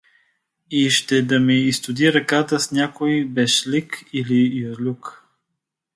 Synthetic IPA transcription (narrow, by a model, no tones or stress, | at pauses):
iʃt̪ɛd̪ɐmɛist̪ʊd̪iɾɐkat̪əsnʲakoibɛʃlikilijozlʲuk